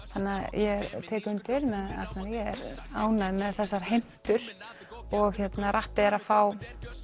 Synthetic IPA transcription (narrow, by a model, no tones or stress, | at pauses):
θanːɪajʔɛɛɾt̪ʰɛːkʏnt̪ɪɾmɛða̰t̪naɾjɛɛ̰ɾaːwnaðmɛðθɛsːaɾ̥hejm̥t̪ʏɾ̥ | ɔɣçɛt̪narʔahpɪɛɾafaːw